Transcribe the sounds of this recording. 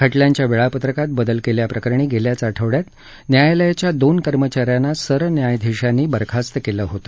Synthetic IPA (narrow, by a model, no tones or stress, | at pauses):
kʰəʈljaɲt͡ɕjaʋeɭapət̪ɾəkat̪̚bəd̪əlkeljapɾəkəɾɳ̃iːɡeljat͡saʈʰəʋɽjat̪ | njajləjat͡ɕjad̪onkəɾmət͡ɕaɾjanːasəɾənjajd̪ʱiɕanːiːbəɾkʰast̪əkeləɦot̪ə̥